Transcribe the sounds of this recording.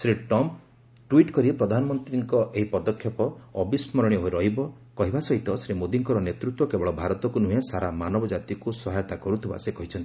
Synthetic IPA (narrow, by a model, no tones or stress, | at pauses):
sɾiʈɔm | ʈwiʈkɔɾipɾɔd̪ʱanɔmɔnt̪ɾiŋkɔʔeɦipɔd̪ɔkʰːjɔpɔɔbismɔɾɔɽ̃jɔɦojɾɔɦibɔ | kɔɦibasɔit̪ɔsɾimod̪iŋkɔɾɔnet̪ɾut̪wɔkebɔɭɔbʱaɾɔt̪ɔkunuɦesaɾamanɔbɔd͡ʒat̪ikusɔɦajɔt̪akɔɾut̪ʰiba̰sekɔɦit͡ʃʰɔnt̪i̥